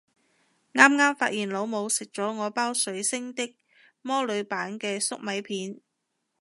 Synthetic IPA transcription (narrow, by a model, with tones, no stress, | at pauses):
ŋaː˥mŋaː˥mfaː˧t̚jiː˨˩nlo˨˧wmo˨˧wsɪ˨k̚t͡ʃɔː˨˥ŋɔː˨˧paː˥wsɵ˨˥ɥsɪ˥ŋt̪ɪ˥k̚ | mɔː˥lɵ˨˧ɥpaː˨˥nkɛː˧sʊ̰˥k̚mɐ˨˧˥jpʰiː˨˥n